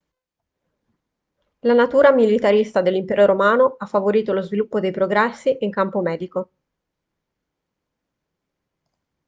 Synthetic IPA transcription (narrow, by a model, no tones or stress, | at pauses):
lanat̪uːɾamilit̪aɾist̪ad̪elːimpɛːɾoɾomaːnoafːavoɾiːt̪olozvilupːod̪ejpɾoɡɾɛsːiʔiŋkampomɛːd̪iko